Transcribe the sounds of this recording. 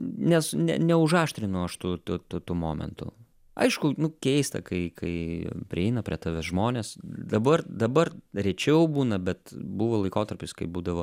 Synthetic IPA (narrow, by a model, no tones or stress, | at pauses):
nʲɛsnʲɛ̰nʲɛʊʒɑːʃʲt̪ʲɾʲɪnʊɐʃt̪ut̪ʊt̪ʊt̪umoːmʲɛ̰nt̪ʊ̰ | ɐ̰ɪʃkʊnʊkʲɛɪst̪ɐ̰kɐɪkɐɪpʲɾʲɪɛɪnɐpʲɾʲiɛt̪ɑːʋʲosʒmoːnʲeːsd̪ɐbɐrd̪ɐbɐrɾʲɛt͡ʃʲɛʊbuːnɐbʲɛt̪buːʋoːlˠɐɪkoːt̪ɐrʲpʲɪskɐɪbuːd̪ɐʋoː